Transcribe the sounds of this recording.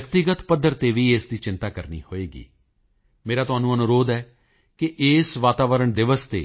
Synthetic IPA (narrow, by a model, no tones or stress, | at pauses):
əkt̪ɪɡət̪pəd̪ːəɾt̪eːʋiːeːsd̪iːt͡ʃɪ̃nt̪aːkəɾnḭːhoːeːɡḭː | meːɾaːt̪ʊɦaːnũːənʊɾoːd̪ɛː | keʔeːsʋaːt̪aːʋəɾəɳd̪ɪʋəst̪ḛː